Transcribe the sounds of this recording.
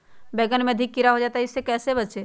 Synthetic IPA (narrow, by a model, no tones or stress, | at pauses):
bɛɡənmẽəd̪ʱɪkːiɾaɦod͡ʒaːt̪aɦɪsːekɛːsebətt͡ʃe